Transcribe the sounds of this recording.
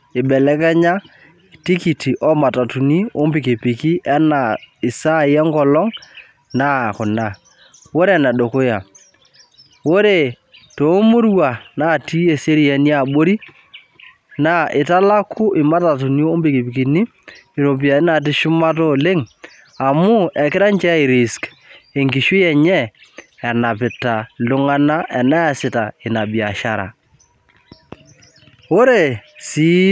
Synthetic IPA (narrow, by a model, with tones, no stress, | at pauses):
ɪ˨ɓɛ˨lɛ˦kɛ˦ɲa˦ | ti˦ki˨ti˨ʔɔ˦ma˨ta˨tu˨ni˦o˦mpɪ˨ki˨pɪ˨ki˦ʔɛ˦na˨ɪ˨sa˦˨jɛ˦ŋkɔ˨lɔ˦ŋ | na˦˨kʊ˨na˨ | wo˦ɾe˨na˨ɗo˨ko˦ja˨ | wo˦ɾe˨ | to˨˦mu˦ɾwa˨na˦˨ti˦e˨se˦ɾi˦˨ɛ˨ni˦a˦˨ɓo˦ɾi˦ | na˦ɪ˨ta˦la˦kʰʊ˦ʔɪ˨ma˦ta˨t̬ʊ˨njoː˦mbi˨ki˨pi˨ki˨ni˦ | ɪ˨ɾo˨p̬i˨a˨˦na˨t̬ɪ˦ʃʊ˦ma˦tɔ˦le˦ŋ | a˨mʊ˦ɛ˨kɪ˦ɾa˦nt͡ʃɛ˦ɪ˨ɾɪ˨sk | e˨ŋɡi˨ʃwi˦ɛ˨ɲɛ˦ɛ˨na˨pɪ˨ta˨lʊ˦ŋa˦na˦ʔɛ˨na˦a˨sɪ˨ta˨ɪ˨na˨bi˨a˨ʃa˦ɾa̰˨ | o˦ɾe˨si˦